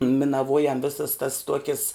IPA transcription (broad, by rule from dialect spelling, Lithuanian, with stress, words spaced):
mʲɪnɐˈʋuɔjɛm ˈʋʲeːsɐs tɐs ˈtuɔkʲɪs